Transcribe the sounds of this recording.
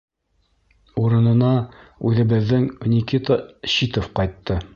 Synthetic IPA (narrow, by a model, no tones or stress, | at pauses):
uɾɤ̆nɤ̆nɑʉðɘ̆bɘ̆ðːɘŋnʲikit̪əɕit̪ofqɑjt̪ːɤ